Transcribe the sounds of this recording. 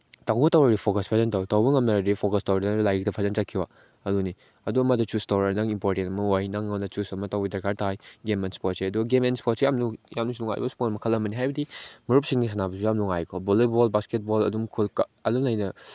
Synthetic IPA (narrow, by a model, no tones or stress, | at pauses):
tawbɐtawɾaɾipʰokɐspʰazɐntawtawbɐŋɐmnaɾadɾipʰokɐstawɾidɐlajɾik̚tɐpʰazɐnt͡ʃakʰiwa | ɐduni | ɐduɐmɐdɐt͡ʃustawɾanaŋimpoɾtentɐmɐojnaŋːɐmdɐt͡ʃusɐmɐtawbidɐɾkʰaɾtʰajɡemenspotseɐduɡɐɡemenspotsejamnujamnusiluŋa̰jbɐsu̥pomɐkʰɐlːɐmɐniɦajbɐdimɐɾup̚siŋnis̬anabɐs̬ujamluŋajkʰɔbolebolbasket̚bolɐ̰dumkʰulkɐlunajnɐ